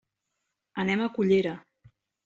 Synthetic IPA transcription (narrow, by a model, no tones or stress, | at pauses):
ənɛməkuʎeɾə